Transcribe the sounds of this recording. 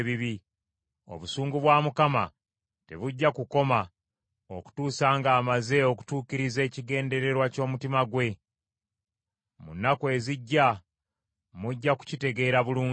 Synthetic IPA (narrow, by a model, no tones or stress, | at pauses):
βiβi | o̞̰βusuːŋɡuβwaːmukama̰ | te̞̰βuɟːakuko̞ma | oku̥tuːsaːŋɡaːmaze̞o̞ku̥tuːkiɾize̞ːciɡe̞ːnde̞ɾe̞ɾwaco̞ːmutimaɡwe̞ | munːakwe̞ːziɟːa | muɟːaku̥cite̞ɡe̞ːɾaβuluː